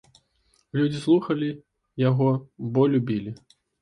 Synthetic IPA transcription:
lʲud͡zʲislˠuxɐlʲi | jaɣɔbɔlʲubʲilʲi

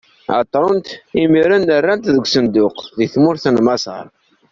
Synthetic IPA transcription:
ʕɑ̰t̪ˤːɾˤont̪imiɾænːərːænt̪ðəɡʷsənd̪ʊqðiθmʊɾθənmɑsˤɑ̰ɾˤ

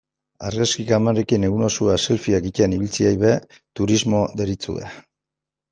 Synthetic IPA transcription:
aɾɣaskikamarekine̞ɣuno̞suaselfiakiceaniβilt͡siajβe | t̪uɾizmo̞ðeɾit͡sṵḛ

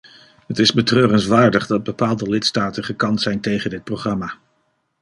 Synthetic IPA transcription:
ɦətɪzbətrøːrənzʋaːɹdəχdɑd̚bəpaːlˠdəlɪtstaːtəχəkɑntsɛjntejχəndɪt̚prowχrɑmaː

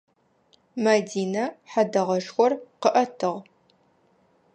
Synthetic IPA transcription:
mɐdiːnɐħadɐʁɐʂxʷɔrqəʔɐtʰɨʁ

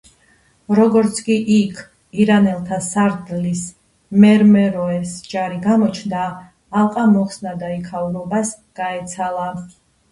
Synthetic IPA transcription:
ɾɔɡɔɾt̪sʰkʼiʔikʰ | iɾanɛlˠt̪ʰasaɾd̪lis | mɛɾmɛɾɔɛsd͡ʒaɾiɡamɔt͡ʃʰnd̪aː | lˠqʼamɔχsnad̪aikʰauɾɔbas | ɡ̥aɛt̪sʰalˠa

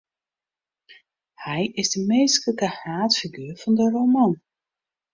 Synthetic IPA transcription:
hɛjɪsdəmeːskəəkəhraːtfiɡyːrvɔndərowmɔn

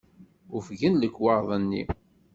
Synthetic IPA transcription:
ʊfʝənləkːwɑɾˤðˤənːḭ

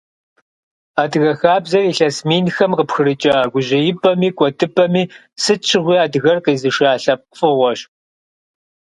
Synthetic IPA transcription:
aːdɨɣɐxaːbzɐriːɬɐsmiːnxɐmqəpxɨɾɨt͡ʃʼɐɡʷʊʑɐjɪpʰʼɐmiːkʷʼɔtʰʼɨpʰʼɐmiː | sɨt͡ʃʰɨʁʷiːaːdɨɣɐrqiːzɨʃaːɬɐp̚qfɨʁʷɔɕ

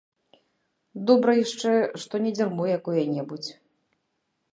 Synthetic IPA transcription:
d̪ɔbɾɐjaʂt͡ʂɛʂt̪ɔnʲɛd͡zʲɛrmujjakujɐnʲɛbut͡sʲ

